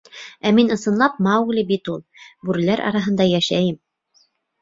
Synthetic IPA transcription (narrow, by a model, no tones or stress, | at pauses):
æminɤ̆sɤ̆nlˠɑp̚mɑwɡlɘbit̪ulˠbʉɾɘ̆læɾʔɑ̰ɾɑɦɤ̆nd̪ɑjæʃæjɘm